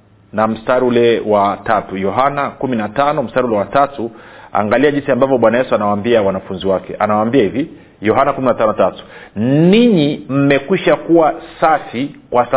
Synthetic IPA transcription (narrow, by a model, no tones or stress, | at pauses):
nam̩staɾiulɛwatatujɔɦanakuminatanɔm̩staɾiulɛwatatua̰ːŋɡaliaʄinsiambavɔɓwanajɛsuanawaːmbiawanafunziwakɛ̰ʔa̰nawaːmbiahivi | jɔɦanakuminatanɔtatu̥niɲim̩mɛkwiʃakuwasafikwasa